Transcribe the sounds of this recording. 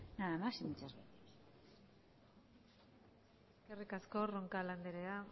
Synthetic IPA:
naðamasimit͡ʃazβet̪i̥s | eskerikasko̞roŋkaland̪eɾea

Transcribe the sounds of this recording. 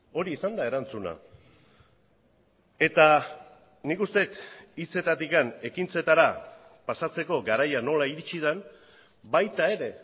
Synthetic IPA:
o̞ɾiːsand̪ae̞ɾant͡suna̰ | e̞t̪a | nikust̪e̞t̪it͡se̞t̪at̪ikane̞kint͡se̞t̪aɾa | pasat͡se̞ko̞ɡaɾajano̞laiɾit͡ʃið̞en | bajt̪ae̞ɾe̞

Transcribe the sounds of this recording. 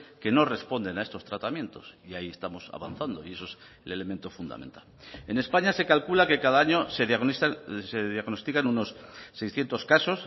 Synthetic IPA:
ke̞no̞re̞spo̞nd̪e̞nae̞st̪o̞st̪ɾat̪amje̞nt̪o̞̰siaie̞st̪amo̞sa̰βa̰nθand̪o̞̰ie̞soes | ele̞le̞mẽ̞nt̪o̞fund̪a̰mẽ̞̰nt̪ale̞ne̞spaɲase̞kalkulake̞kaðaaɲo̞seðjaɣaseðjaɣno̞st̪ikanuno̞sːe̞jsθje̞nt̪oskaso̞s

